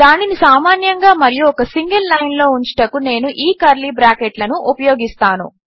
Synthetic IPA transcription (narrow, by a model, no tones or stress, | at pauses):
d̪aːninisaːmaːnjɐŋɡaːmɐɾijuɔkɐsiŋɡɐlːɐjnlo̞ːuɲt͡ʃi̥ʈɐkune̞ːnuʔiːkɐɾlibɾaːkeʈlɐnuʔupɐjoːɡist̪aːnṵ